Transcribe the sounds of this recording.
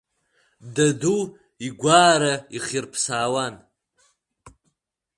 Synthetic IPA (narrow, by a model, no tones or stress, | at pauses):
dadu | iɡʷaːɾaiχirpʰsaːwan